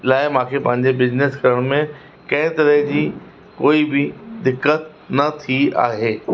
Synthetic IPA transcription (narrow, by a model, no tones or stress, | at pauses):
laːɪmãːkʰepɐ̃ɦɪ̃ɲd͡ʑebɪd͡ʑneskɐɾəɽ̃mẽ | kɐ̃ɦɪ̃t̪ɐɾəɦd͡ʑiː | koːibɪd̪ɪkːət̪̚ | nɐt̪ʰia̰ːɦeː